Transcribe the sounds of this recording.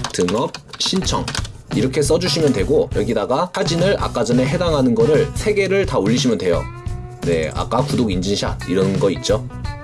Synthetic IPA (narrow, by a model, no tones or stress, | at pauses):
tɯŋʌp̚ɕʰint͡ɕʰʌ̰ŋ | iɾʌkʰe̞s͈ʌd͡ʑuɕʰimjʌntwe̞ɡojʌɡidaɡahad͡ʑinɯɭʔa̰k͈ad͡ʑʌne̞ɦe̞daŋɦanɯnɡʌɾɯɭsʰe̞ɡe̞ɾɯɭtaoʎːiɕʰimjʌndwe̞jo̰ | ne̞̰a̰k͈akudoɡind͡ʑinɕʰa̰iɾʌnɡʌit̚t͡ɕ͈o